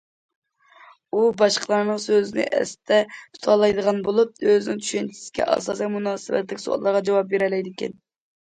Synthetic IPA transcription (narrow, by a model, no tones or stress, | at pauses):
ubɑʃqʰəlˠɑɾnɨəŋsøzɪnɪ̰ʔɛ̰st̪ʰɛpʰu̥t̪ʰɑlˠɑjd̪əʁɑnbolˠup̚øzɪnɪŋt͡ʃ̪ʰy̥ʃɛnt͡ʃʰi̥sɪ̥kʲɛ̰ʔɑ̰sɑːsijmunɑːsɨbɛ̰t̪lɪkʲso̰ɑ̰lˠːəɾʁɑd͡ʒɑwɑp̚beɾɛlɛjd̪ɪkʲɛ̰n